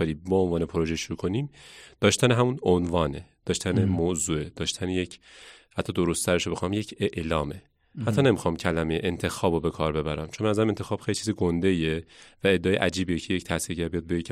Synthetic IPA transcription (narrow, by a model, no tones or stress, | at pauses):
eɾiːbɒonvɒːnepʰoɾo̞ʒeʃuɾuːkʰo̞niːmd̪̥ɒːʃt̪æneɦæmunonvɒːned̪̥ɒːʃt̪ænemoːzuːed̪̥ɒːʃt̪ʰænejecʰhæt̪ʰːɒd̪o̞ɾost̪ʰæɾeʃobe̞xɑmjecʰeʔlɒːme̞ | hæt̪ʰːɒːnemixɒːmcʰælæmejeʔent̪ʰe̞xɒːbobe̞kʰɒːɾbe̞bæɾæmt͡ʃʰombenæzæɾæment̪ʰexɒːb̥xejlit͡ʃʰiːziɡond̪ejevæe̞d̪ːeɒːjeʔæd͡ʒiːbijecʰe̞jecʰt̪ʰæhsiːɾɟæɾbijɒːd̪̚bejec